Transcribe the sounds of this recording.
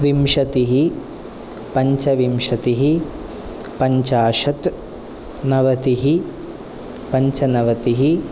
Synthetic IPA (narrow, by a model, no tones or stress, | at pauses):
ʋimʃɐt̪iɦi | pɐɲt͡ʃɐʋimʃɐt̪iɦi | pɐɲt͡ʃaːʃɐt̪ | nɐʋɐt̪iɦi | pɐɲt͡ʃɐnɐʋɐt̪iɦi